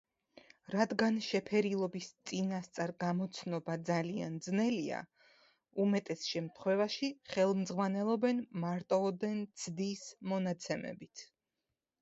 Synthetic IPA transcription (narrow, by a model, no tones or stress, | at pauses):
ɾad̪ɡanʃɛpʰɛɾilˠɔbist̪sʼinast̪sʼaɾɡamɔt̪sʰnɔbad̪zalia̰nd̪znɛlia̰ | umɛt̪ʼɛsʃɛmt̪ʰχwɛvaʃiχɛlˠmd̪zʁwanɛlˠɔbɛnmaɾt̪ʼɔːd̪ɛnt̪sʰd̪ismɔnat̪sʰɛmɛ̰bit̪ʰ